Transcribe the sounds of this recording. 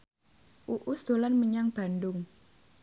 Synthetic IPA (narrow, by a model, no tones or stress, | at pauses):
ʔuʔusd̪̥o̤lanməɲaŋb̥a̤ndʊŋ